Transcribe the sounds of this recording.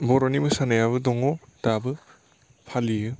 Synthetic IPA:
bɔɾonimɯsanajaβɯdɔŋɔdabɯ | pʰalijɯ

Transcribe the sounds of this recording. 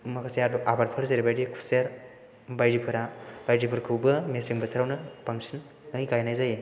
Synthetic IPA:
mɐkʰasejabɐʔabaɾ̚pʰaɾzeɾibajɾikʰu̥seɾ | bajɾipʰɯɾab̥ajdipʰɯɾkʰɯwbɐmesiŋbɐtʰɐɾawnɐpaŋsʰin | ɯjɡajnajzaje

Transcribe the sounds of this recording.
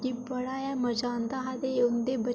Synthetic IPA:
d͡ʒiːbəɽaːjaməd͡ʒãːnd̪aːɦad̪eʊnd̪eːbə

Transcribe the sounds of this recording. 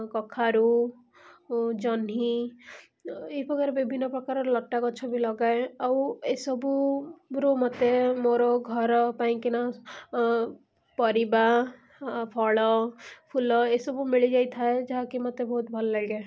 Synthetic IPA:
kɔkʰaɾu | d͡ʒɔni | eɦipɔkaɾebibʱinːɔpɾɔkaɾɔɾlɔʈːakɔt͡ʃʰɔbilɔɡaeawesɔbuɾumɔt̪emoɾɔɡʱɔɾɔpaĩkinɔ | pɔɾiba | pʰɔɭɔpʰulɔesɔbumiɭid͡ʒajt̪ʰaed͡ʒaɦakimɔt̪ebɔɦut̪̚bʱɔlɔlaɡae

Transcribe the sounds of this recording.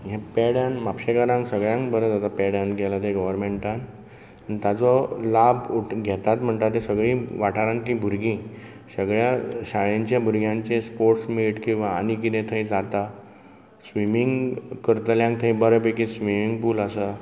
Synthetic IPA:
ɦẽpeɽanmapɕekəɾãŋksəɡɭjãŋkbəɾəd͡zat̪apeɽjãnɡɛlat̪eɡəʋəɾmeɳʈan | anit̪jat͡sɔlabuʈɡʱɛt̪at̪m̤əɳt̪aɾt̪ːesəɡɭĩːʋaʈaɾãnt̪ĩbʱuɾɡĩ | səɡɭjaɕaɭeɲt͡ɕjabʱuɾɡʱjãɲt͡ɕẽspoɾʈsmiʈkĩw̃ʋaːnikit̪ẽt̪ʰəid͡zat̪a | sʋimiŋɡkəɾt̪əljãŋkt̪ʰəibəɾəpekĩsʋimiŋɡpuːləsa

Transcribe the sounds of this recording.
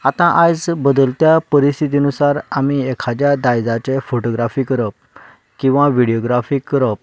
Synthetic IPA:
at̪ãʔad͡zbəd̪əlt̪japəɾist̪ʰit̪̬inusaɾamiekʰad͡ʑ̪jad̪ajd͡zat͡sɛ̃foʈoɡɾafiːkəɾəp̚ | kĩw̃ʋaʋiɽijoɡɾafiːkːəɾəp̚

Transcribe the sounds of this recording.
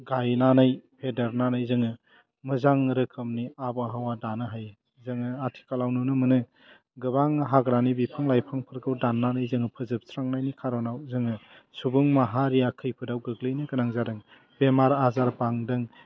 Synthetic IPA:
ɡajnanajpʰedeɾnanɯjzɯŋɯ | mɯzaŋɾɯkʰɯmniabɦawadanɯɦaj | zɯŋɯatʰi̥kalawnunɯmɯnɯ | ɡɯbaŋɦaɡɾanibipʰɯŋlajpʰaŋpʰɯɾɡɯwdanːanɯjzɯŋɯpʰɯzɯp̚sɾaŋnajnikʰaɾɔnawzɯŋɯ | subuŋmaɦaɾijakʰɯjpʰɯdawɡɯɡlɯjnɯɡɯnaŋzadɯŋ | bemaɾazaɾbaŋdɯŋ

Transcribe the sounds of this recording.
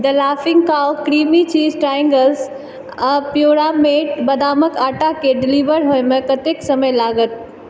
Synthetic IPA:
d̪əlaːfɪ̃ŋɡkaːʋkɾiːmit͡ʃiːzʈɾaːjə̃ŋɡəls | ə̃pjoːɾameːʈbɐd̪aːməkaːʈakeɖɪliːʋəɾɦoːjmẽkɐt̪eksɐməjlaːɡət̪̚

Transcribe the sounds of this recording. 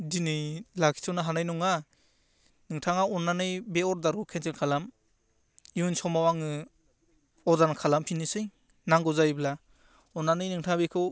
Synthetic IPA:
dinɯlakʰi̥tʰɯnaɦanajnɔŋa | nɯŋtʰaŋaɔnːanɯjbeɔɾdaɾukʰentelkʰalam | iunsɔmawaŋɯ | ɔɾdankʰalampʰinɯsɯj | naŋɡɔzajbla | ɔnːanɯjnɯŋtʰaŋbekʰɯw

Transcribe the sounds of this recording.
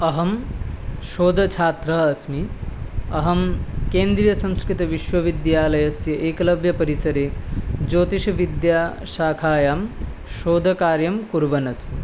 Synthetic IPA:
ɐɦɐm | ʃoːd̪ʱɐt͡ʃʰaːt̪ɾɐɦɐsmi | ɐɦɐmkeːnd̪ɾijɐsɐ̃mskɾit̪ɐʋiʃʋɐʋid̪jaːlɐjɐsjɐʔeːkɐlɐbʱjɐpɐɾisɐɾeːd͡ʒoːt̪iʃɐʋid̪jaː | ʃaːkʰaːjaːm | ʃoːd̪ʱɐkaːɾjɐmkuɾʋɐnɐsmi

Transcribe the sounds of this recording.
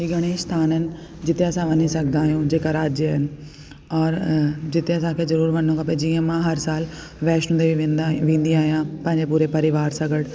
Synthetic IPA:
ɦiɡʱɐɽ̃eːʃt̪ʰaːnənɪ̆ | d͡ʑɪt̪eɐsãʋɐnisɐɡʱd̪d̪aːɦijũd͡ʑeːkaɾaːd͡ʑjəɦɪnɪ̆ | ɔːɾd͡ʑɪt̪eɐsãkʰeːzɐɾuːɾʋɐnõkʰaːpɐd͡ʑiːə̃mãɦɐɾsaːl | ʋɛːʃũnd̪ebiẽnʋẽːn̆d̪iaːɦijãpɐ̃ɦɪ̃ɲd͡ʑepuːɾepɐɾɪʋaːɾsɐɡəɽ

